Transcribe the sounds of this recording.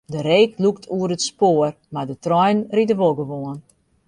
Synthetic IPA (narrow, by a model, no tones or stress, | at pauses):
dəɾeːkluktʰuəɾətspoər | mardətrɔjnritəʋolˠɡəʋoən